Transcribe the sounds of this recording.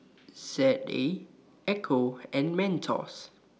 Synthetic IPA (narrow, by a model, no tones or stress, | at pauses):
sɛte | ʔɛkʰoɛ̃nmɛ̃ntʰɔ̰s